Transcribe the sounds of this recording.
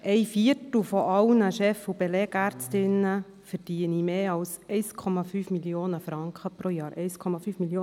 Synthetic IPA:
ʔɛɪfiətl̩fɔʔɑlnəʃɛfːub̥elɛːɡ̥æːɾt͡stɪnə | fɛɾd̥iːənimeːɑlsɛɪskʰɔmɑfyːfmiljoːnəfɾɑŋkχəpɾoːjɑːɾʔɛɪskʰɔmɑfyːfmiljoː

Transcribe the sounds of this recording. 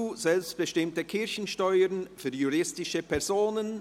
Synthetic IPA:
uːz̥ɛlpst̚b̥əʃtɪmtəkʰɪɾçn̩ʃtɔʏəɾnfyːjuʁɪstɪʃəpʰɛɐʁz̥oːnən

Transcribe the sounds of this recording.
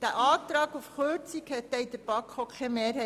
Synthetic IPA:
d̪̥æʔɑːt̪ɾɑːɡufχøt͡sikhɛt̪̚ːɛjd̪əɾb̥ɑkʰokʰɛmeːrhɛ

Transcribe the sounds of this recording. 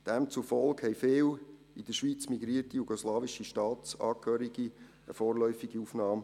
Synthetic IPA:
d̥ɛmt͡sufɔlkhɛɪfeːl | id̥̪əʃʋiːt͡smiɡɾiːətijuɡɔslɑːʋiʃiʃtɑːt͡sɑːkʰøːɾiɡ̥i | ə̰foːɾlœʏfiɡ̥iufnɑːm

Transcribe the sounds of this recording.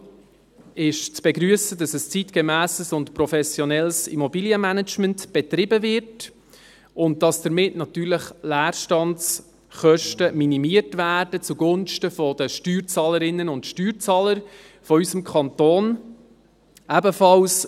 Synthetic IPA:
ɪʃt͡sb̥ɛɡɾyəsədɑsəst͡sitkemæːsəsʊntpɾɔfɛsjɔnɛlsḭmɔbiːliəmænət͡ʃməntb̥ɛt̪ɾɪbəvɪɾt | ʊnt̚d̥ɑsd̥əɾmɪtnɑtyːɾləχlæːɾʃtɑnts | χœʃtəminimiəɾtvæːrd̥ət͡suɡʊnʃtəfɔdəʃtyːɾt͡sɑːləɾɪnːənʊndʃtyːɾt͡sɑːləɾ | fɔysəmkʰɑntoːn | æbəfɑls

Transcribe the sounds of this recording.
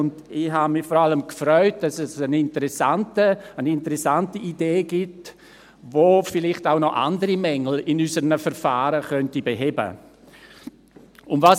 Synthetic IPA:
ʊndɪhamɪfɔɾaləmkfrœʏt̚d̥ɑsɛsənɪntəɾɛsantəənɪntəɾɛsantiʔideːɡɪt | voːfɪlɪχtaʊnɔʔa̰ndəɾimɛŋl̩ɪnysəɾnəfɛɾfaːɾəχœntibeɦɛbə̰ | ʊnvaːs

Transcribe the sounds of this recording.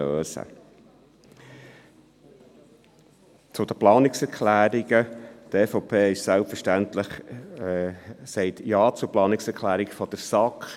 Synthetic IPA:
øːsə̰ | t͡sʊd̥̪əplɑːnɪksɛɾkʰlæːɾiɡ̥ət̪eːfopʰeːɪʃsɛlpfəʃtænt̪ləχ | sɛɪtjɑːt͡sʊɾplɑːnɪksɛɾkʰlæːɾiɡfɔd̥əɾsɑkχ

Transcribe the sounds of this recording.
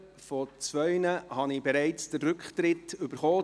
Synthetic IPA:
fɔt͡sʋœʏnəhɑnɪbɛɾæɪt͡sd̥əɾːɵkχt̪ɾɪtʏbəɾχɔː

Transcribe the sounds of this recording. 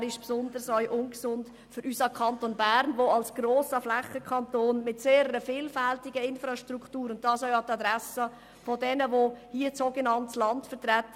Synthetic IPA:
ɾɪʃpsʊndəɾsœʏʔʊnɡsʊnt | fʏɾʔysəkʰɑntonbæːɾnʋoɑlsɡ̥ɾoːsəflɛχəkʰɑntoːnmɪtseːɾəːəfiːlfæltɪɡəɪnfɾɑʃtɾuktuːɾʊnt̚dɑːsœʏɑtɑdɾɛsə | fodɛnəʋohiəsoɡənɑntslɑntfətɾɛtːə

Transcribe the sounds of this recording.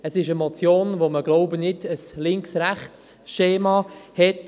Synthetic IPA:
əsɪʃəmɔt͡sjoːnʋoməɡloʊbənɪdəslɪŋksɾæχt͡sʃeːmɑhɛt

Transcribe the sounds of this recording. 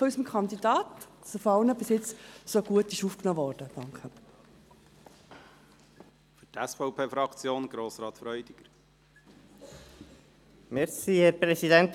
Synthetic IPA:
ɔyːsəmɪkʰɑnd̪idɑːtsofoɑlnəbɪsjɪt͡ssoɡ̥uətɪʃufknoːvɔːɾd̥əd̥ɑŋkχə | fytæsfɔʊpʰeːfɾɑkt͡sjoːnɡ̥ɾoːsɾɑːt̪fɾœʏd̥̪iɡ̥əɾ | mɛɾsiːhɛɾpɾɛsid̪ɛnt̪

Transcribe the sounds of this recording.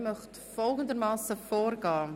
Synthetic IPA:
mœχt | fɔlˠɡəndəɾmɑːsəfoːɾɡɑː

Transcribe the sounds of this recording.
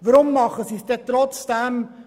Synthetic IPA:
ʋəɾʊmːɑχəsisd̥ɛt̪ɾɔt͡sd̥ɛm

